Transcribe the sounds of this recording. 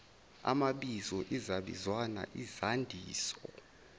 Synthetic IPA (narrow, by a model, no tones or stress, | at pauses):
a̰maɓizɔʔizaɓḭzwana̰ʔizandʱiːsɔ